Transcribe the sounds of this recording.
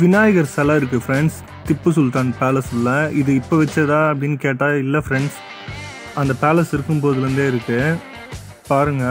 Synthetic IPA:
ʋɪnaːjɐɣɐɾsɐlaːɪɾɯk̬ːɯfɾɛɳɖs | t̪ɪpːɯs̬ʊlt̪aːnpaːlɐsɪlːɐɪðɯɪpːɐʋɛt͡ʃːɐðaːɐpːɐɽɪnːɯkeːʈːaːɪlːɐfɾɛɳɖs | ɐnd̪ɐpaːlɐsɪɾɯkːɯmpoːðɯɾɯnd̪eːɪɾɯkːɯ | paːɾɯŋɡɐ

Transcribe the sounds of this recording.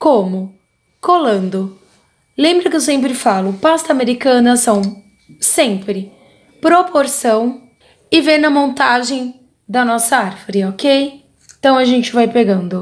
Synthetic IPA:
kõmʊ | kolɐ̃nd̪ʊ | lẽmbɾɐkɪewsẽmpɾɪfalʊpast̪ɐameɾikɐ̃nɐsɐ̃w̃ | sẽmpɾɪ | pɾopoɾsɐ̃w̃ | ɪveɾnɐmõnt̪aʒẽj̃ | d̪ɐnɔsɐaɾvoɾɪokej | ẽt̪ɐ̃w̃ɐʒẽnt͡ʃɪvajpeɡɐ̃nd̪ʊ

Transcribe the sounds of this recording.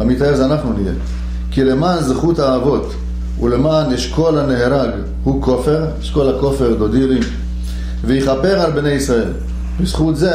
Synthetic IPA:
amit̪aeʁzeanaχnunijḛ | kile̞maːnzχuthaːvo̞t | ṵle̞maːnjeʃko̞laneɦeʁaɡ | hukʰo̞fe̞ʁjeʃko̞lako̞fe̞ʁd̪o̞d̪iʁim | vejiχape̞ʁalbne̞jisʁae̞l | bizχut̪ze

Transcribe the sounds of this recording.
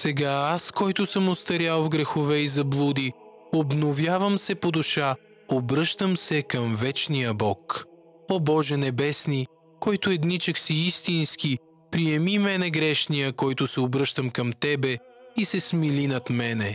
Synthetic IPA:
sɛɡaaskɔjt̪ʊsəmost̪ɐɾʲjalˠvɡɾɛxovɛizɐblˠud̪i | obnovjavəmsɛpod̪uʃa | obɾɤʃt̪əmsɛkɐmvɛt͡ʃnijəbɔk | obɔʒɛnɛbɛsni | kɔjt̪ʊɛd̪nit͡ʃɛksiist̪inski | pɾijɛmimɛnɛɡɾɛʃnijəkɔjt̪ʊsɛobɾɤʃt̪əmkɐmt̪ɛbɛ | isɛsmilinɐt̪mɛnɛ

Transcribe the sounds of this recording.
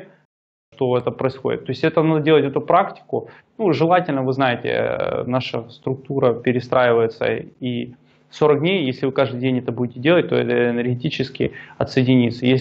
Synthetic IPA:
ʂt̪oɛt̪əpɾəɪsxodʲɪ̰t̪ːo̞ɪsʲtʲɛt̪ənad̪ədʲelˠətʲɛt̪ʊpɾaktʲɪ̥kʊ | nuʐɨlˠatʲɪlʲnəvɨznajɪtʲɪ̰naʂəst̪ɾʊk̚t̪uɾəpʲɪɾʲɪst̪ɾʔajɪvəjɪt̪sə̰i | so̞ɾək̚dʲnʲejjesʲlʲɪvɨkaʐd̪ɨjdʲenʲɛt̪əbudʲɪtʲɪdʲe̞lˠət̚ʲt̪o̞̰ɛ̰t̪əɪnʲərɡʲɪtʲit͡ɕɪskʲɪ̰ɐt̪səjɪdʲɪnʲit̪səjes

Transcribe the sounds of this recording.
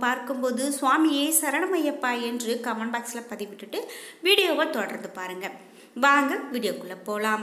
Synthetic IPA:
paːɾkɯmpoːðɯsʊaːmɪjesɐɾɐɳɐmɐjɐpːaːɛndrɯkɐʋɐɳbaːksɪlɐpɐðɪʋɪʈːɯʈːɯʋiːɽɪjoːʋɐt̪oːɽɐɾnd̪ɯpaːɾɯŋɡɐ | ʋaːŋɡɐʋiːɽɪjoːkːɯɭːɐpːoːlaːm

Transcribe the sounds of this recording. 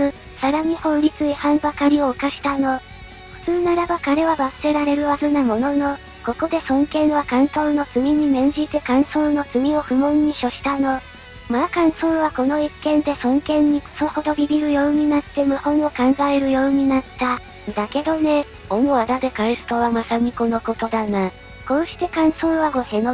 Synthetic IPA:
ɯ | saɾaɲ̟ihõ̞nɾʲit͡sɨihãmbakaɾʲio̞ːkaɕi̥t̪ano̞ | ɸɯ̟̥t͡sɨːnaɾabakaɾe̞βabasɨ̥ɾe̞ɾaɾe̞ɾɯ̟βazɨnamo̞no̞no̞ | ko̞ko̞d̪e̞sõ̞ŋkẽ̞ɰ̃βakãnt̪onːo̞t͡sɨmʲiɲ̟imẽ̞ɲ̟d͡ʑit̪e̞kãɰ̃sõ̞no̞t͡sɨmʲio̞ɸɯ̟mõ̞ɲːiɕo̞ɕi̥t̪ano̞ | makãɰ̃sõɰ̃βako̞no̞ikːẽ̞nd̪e̞sõ̞ŋkẽ̞ɲ̟ːiko̥so̞ho̞d̪o̞ɾʲiɡʲiɾɯ̟jo̞ːɲ̟inat̪ːe̞mɯ̟hõ̞ɰ̃o̞kãŋɡaeɾɯ̟jo̞ːɲ̟inat̪ːa | d̪ake̞d̪o̞ne̞ | omoad̪ad̪e̞kaisɨ̥t̪o̞β̞amasaɲ̟ʲiko̞no̞ko̞t̪o̞d̪ana | kõ̞ːɕi̥t̪e̞kãɰ̃sõɰ̃βaɡo̞he̞no

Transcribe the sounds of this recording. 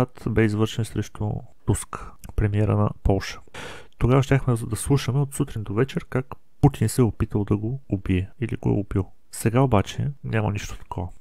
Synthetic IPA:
at̪bɛizvɤɾʃɛnsɾɛʃt̪o̰ | t̪uskpɾɛmiɛɾə̰nɐ̰pɔlˠʃə̥t̪oɡavəʃt̪ʲaxmɛd̪ɐslˠuʃəmɛot̪sut̪ɾind̪ovɛt͡ʃɛɾkak | put̪insɛopit̪əlˠd̪ɐɡoːbiɛilḭɡo̰ɛ̰obilˠ | sɛɡaobat͡ʃɛnʲamə̰niʃt̪o̥t̪ɐ̥kʰɔvə

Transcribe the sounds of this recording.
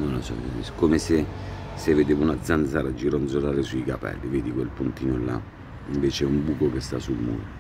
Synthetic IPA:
nonlosɔ̰skːomese | sevːed̪eːvounad̪zand̪zaːɾad͡ʒiɾɔnd̪zolaːɾɪsuikapɛ̰lːiveːd̪ikwelpunt̪iːnola̰ | iɱveːt͡ʃɛumbukokest̪a̰sulmṵːɾo

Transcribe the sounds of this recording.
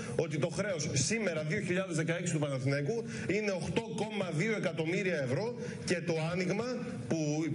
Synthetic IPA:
o̞t̪it̪o̞xɾe̞ossime̞ɾɐðio̞çiʎɐðezðekɐeksi̥t̪upɐnɐθneku | ine̞o̞xt̪o̞ko̞mɐðio̞e̞kɐt̪o̞miɾiɐe̞vɾo̞ | ce̞t̪o̞ɐniɣmɐ | pu

